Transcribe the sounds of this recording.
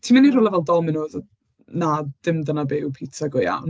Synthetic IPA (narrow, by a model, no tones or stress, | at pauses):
tʰiːmanirolˠɛvɛlˠdɔmɪnoːð | nad̥ɪmdənabewpʰiːtʰaɡʊja̰wn